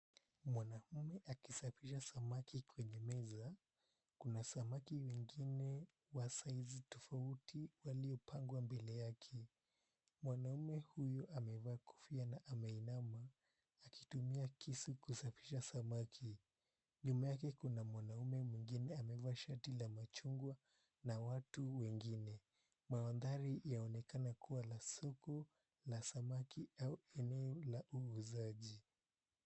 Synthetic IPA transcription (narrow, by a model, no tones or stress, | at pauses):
mwanam̩mɛʔakisafiʃasamakikwɛɲɛmɛza | kunasamakiwɛŋɡinɛ | wasaizitɔfautʰiwaliɔpʰaŋɡwambɛlɛjakʰɛ | mwanaumɛhujɔʔamɛvaːkʰu̥fianaʔamɛinamaː | ki̥tumiakisikusafi̥ʃasamakʰi | ɲumajakɛkunamwanaumɛmwiŋɡinɛamɛvaːʃaɾtilamat͡ʃuŋɡwa | nawatuwɛŋɡinɛ | mawandaɾijaɔnɛkanakuwalasɔkɔ | lasamakiauɛnɛɔlaʔuːzaʄi